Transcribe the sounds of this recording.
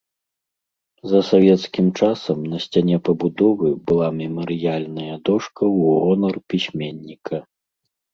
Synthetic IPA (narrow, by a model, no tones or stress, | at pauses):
zɐsavʲɛt̪skʲimt͡ʂasɐmnɐsʲt͡sʲanʲɛpɐbud̪ɔvɨbɨlˠamʲɛmɐɾɨjalʲnɐjɐd̪ɔʂkɐwɔnɐrpʲisʲmʲɛnʲːikʰɐ